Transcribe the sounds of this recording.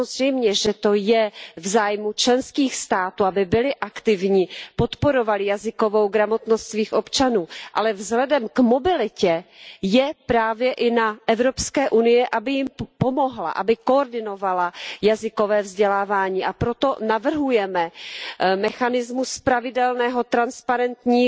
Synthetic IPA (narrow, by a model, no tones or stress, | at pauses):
aozrɛjmɲɛʒɛt̪o̞jɛvzaːjmut͡ʃlɛnskiːxst̪aːt̪uːabɪbɪlɪʔakt̪ɪvɲiːpo̞t̪po̞ɾovalɪjazɪko̞vo̞wɡɾamo̞t̪nost̪viːxʔopt͡ʃanuːʔa̰lɛvzɦlɛdɛmkmo̞bɪlɪcɛjɛpɾaːvjɛʔɪnaʔɛvɾopskɛːʔunɪjɛʔabɪjɪmpo̞mo̞ɦla̰ʔa̰bɪkoːɾdɪno̞valajazɪko̞vɛːvzɟɛlaːvaːɲiːʔapɾot̪o̞navr̩ɦujɛmɛ | mɛxanɪzmuspɾavɪdɛlnɛːɦo̞t̪ɾanspaɾɛnt̪ɲiː